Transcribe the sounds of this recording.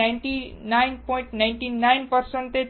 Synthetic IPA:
aɳʈinajnpɔĩɳʈnajɳʈinajnpəɾsəɳʈt̪e

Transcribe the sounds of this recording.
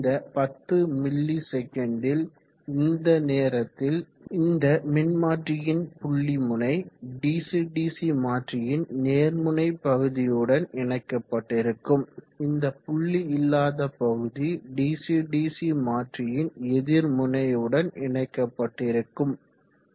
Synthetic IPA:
nd̪ɐpɐt̪ːɯmɪlːisɛkːɐɳɖɪl | ɪnd̪ɐneːɾɐt̪ːɪl | ɪnd̪ɐmɪnmaːʈrɪjɪnpʊɭːimʊnɐɪɖiːsiɖiːsimaːʈrɪjɪnneːɾmʊnɐɪpːɐɣɯðɪjɯɽɐnɪɳɐɪkːɐpːɐʈːɪɾɯkːɯm | ɪnd̪ɐpʊɭːiɪlːaːðɐpːɐɣɯðiɖiːsiɖiːsimaːʈrɪjɪnɛðɪɾmʊnɐjɯɽɐnɪɳɐɪkːɐpːɐʈːɪɾɯkːɯm

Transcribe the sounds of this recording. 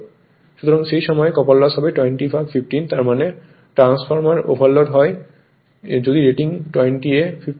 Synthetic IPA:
ʃut̪ɔɾɔŋʃejʃɔmɔjekɔpalːasabeʈwejɳʈifʰabpʰifʈint̪aɾmane | ʈɾansfʰɔɾmaɾo̰bʱalːoɖɦɔj | d͡ʑod̪iɾeʈiŋʈwejnʈiepʰif

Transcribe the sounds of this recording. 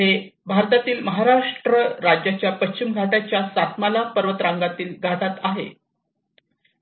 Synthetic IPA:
e | bʱaɾt̪at̪iːlməɦaɾaʂʈɾəɾad͡ʑjat͡ɕjapət͡ɕt͡ɕimɡʱaʈat͡ɕjasat̪ʰmalapəɾʋət̪ɾaŋɡat̪iːlɡʱaʈat̪aɦḛ

